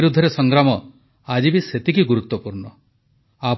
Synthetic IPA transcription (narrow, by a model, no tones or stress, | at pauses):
ɾud̪ʱːɔɾesɔŋɡɾamɔ | ad͡ʒibiset̪ikiɡuɾut̪ːɔpuɾɳɔ | a